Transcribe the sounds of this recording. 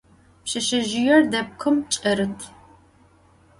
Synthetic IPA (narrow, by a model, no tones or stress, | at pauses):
pɕɐʃɐʒɪjɛrdɐp̚kʷʰɨmt͡ʃʼɐɾɨtʰ